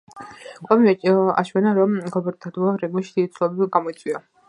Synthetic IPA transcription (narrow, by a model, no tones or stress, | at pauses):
kʼamiɛt͡ʃʼa̰ʃwɛnaɾɔmɡɔbɛɾt̪ʰad̪uaɾɛɡɔʃid̪̥it̪sʰlɔbɛɡamɔit̪sʼwia